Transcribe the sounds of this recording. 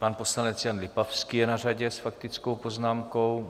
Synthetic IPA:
paːnposlanɛt͡sjanlɪpafskijɛnaraɟɛsfakt̪it͡skowpoznaːmkow

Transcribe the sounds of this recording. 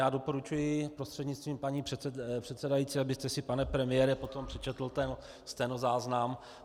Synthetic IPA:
jaːdo̞po̞ɾut͡ʃujɪpɾost̪r̥ɛdɲɪt͡st̪viːmpaɲiːprɛpr̥ɛt̪sɛdajiːtt͡siabɪst̪ɛsɪpanɛpɾɛmɪjɛːɾɛpo̞t̪o̞mpr̝̥ɛt͡ʃɛt̪l̩t̪ɛn | st̪ɛjnozaːznam

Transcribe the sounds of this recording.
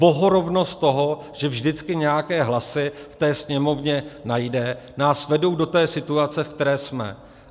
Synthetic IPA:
bo̞ɦoɾo̞vno̞st̪̚t̪o̞ɦo̞ | ʒ̥ɛvʒdɪt͡skɪɲɛjakɛːɦlasɪft̪ɛːsɲɛmo̞vɲɛnajdɛ | naːsvɛdo̞wdo̞t̪ɛːsɪt̪uat͡sɛfkt̪ɛɾɛːsmɛ̰

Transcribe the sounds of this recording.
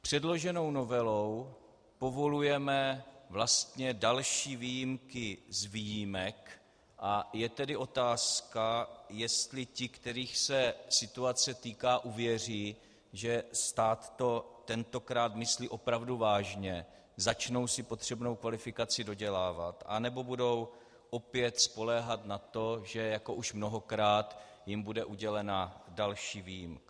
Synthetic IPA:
pr̝̥ɛdlo̞ʒɛno̞wno̞vɛlow | po̞vo̞lujɛmɛvlast̪ɲɛdalʃiːviːjɪmkɪzviːjimɛk | ʔajɛt̪ɛdɪʔo̞t̪aːskajɛst̪lɪcɪkt̪ɛɾiːxsɛsɪt̪uat͡sɛt̪iːkaːʔuvjɛr̝iː | ʒɛst̪aːt̪ːo̞t̪ɛnt̪o̞kɾaːt̪mɪsliːʔo̞pɾavduvaːʒɲɛ | zat͡ʃno̞wsɪpo̞t̪r̝̥ɛbno̞wkvalɪfɪkat͡sɪdo̞ɟɛlaːvat̪ʔa̰nɛbo̞budo̞w | ʔo̞pjɛt̪spo̞lɛɦat̪nat̪o̞ʒɛjako̞ʔuʃmno̞ɦo̞kɾaːt̪ | jɪmbudɛʔuɟɛlɛnadalʃiːviːjɪmk

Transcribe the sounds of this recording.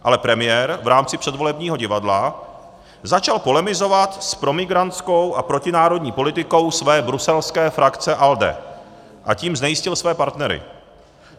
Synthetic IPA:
ʔa̰lɛpɾɛmɪjɛːɾvɾaːmt͡sɪpr̥ɛdvo̞lɛbɲiːɦo̞ɟɪvadla | zat͡ʃalpo̞lɛmɪzo̞vat̪spɾo̞mɪɡɾant̪t͡sko̞wʔapɾo̞cɪnaːɾo̞dɲiːpolɪt̪ɪko̞wsvɛːbɾusɛlskɛːfɾʔakt͡sɛʔaldɛ̰ | ʔaciːmznɛjɪscɪlsvɛːpaɾt̪nɛɾɪ̰

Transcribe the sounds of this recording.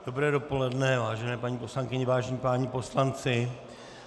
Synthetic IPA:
d̥o̞bɾɛːdopo̞lɛdnɛvaːʒɛnɛːpaɲiːpo̞slaŋkɪɲɛvaːʒɲipaːɲipo̞slant͡sɪ

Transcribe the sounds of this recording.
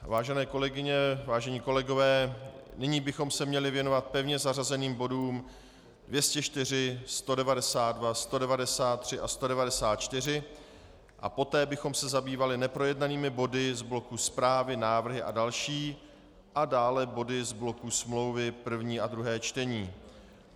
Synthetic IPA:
vaːʒɛnɛːko̞lɛɡɪɲɛvaːʒɛɲiːko̞lɛɡo̞vɛːnɪɲiːbɪxo̞msɛmɲɛlɪvjɛno̞vat̪̚pɛvɲɛzarazɛniːmbo̞duːm | dvjɛscɛt͡ʃt̪ɪr̝ɪst̪o̞dɛvadɛsaːt̪dvast̪o̞dɛvadɛsaːt̪̚ːr̝̥ɪʔast̪o̞dɛvadɛsaːt̪̚t͡ʃt̪ɪr̝ɪ | ʔa̰po̞t̪ɛːbɪxo̞msɛzabiːvalɪnɛpɾo̞jɛdnaniːmɪbo̞dɪzblo̞kuspɾaːvɪnaːvr̩ɦɪʔa̰dalʃiː | ʔadaːlɛbo̞dɪzblo̞kusmlo̞wvɪpr̩vɲiːʔadɾuɦɛːt͡ʃt̪ɛɲiː

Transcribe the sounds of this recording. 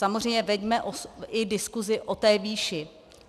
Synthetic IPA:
samozrɛjɲɛvɛɟmɛʔoɪdɪskuzɪʔot̪ɛːviːʃɪ

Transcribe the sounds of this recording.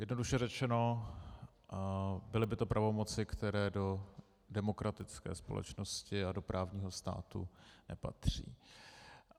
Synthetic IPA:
jɛdno̞duʃɛrɛt͡ʃɛno̞ | bɪlɪbɪt̪o̞pɾʔavo̞mo̞t͡sɪkt̪ɛɾɛːdo̞ | dɛmo̞kɾat̪ɪt͡skɛ̰ːspo̞̰lɛ̰t͡ʃno̞scɪado̞pɾʔaːvɲiːɦo̞st̪a̰ːt̪ṵnɛ̰pa̰t̪r̝̥ḭː

